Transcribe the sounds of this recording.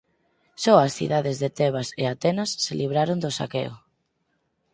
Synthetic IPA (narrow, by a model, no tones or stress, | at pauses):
sɔasθḭðaðezðet̪ɛβ̞aseat̪ɛnasːeliβ̞ɾaɾond̪osa̰keo̰